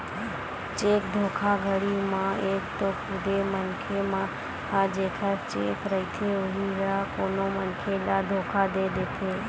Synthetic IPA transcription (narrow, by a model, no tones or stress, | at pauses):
t͡ʃek̚d̪ʱokʰaɡʱəɽimãekt̪okʰʊd̪emənkʰemã | had͡ʒekʰat͡ʃekɾəit̪ʰeoɦiɾakonomənkʰelad̪ʱokʰad̪ed̪et̪ʰe